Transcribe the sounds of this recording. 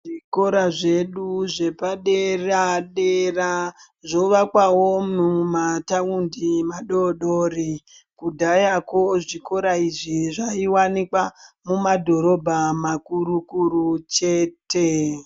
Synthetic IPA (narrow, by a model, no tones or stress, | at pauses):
ʐiko̞ɾaʐe̞ɗuʐe̞paɗeraɗera | ʐo̞ʋakwawo̞mumataundimaɗoɗori | kudʱajakoʐiko̞ɾaiʐiʐaiwanikwamumadʱo̞ɾo̞bʱamakuɾukuɾut͡ʃe̞ːte̞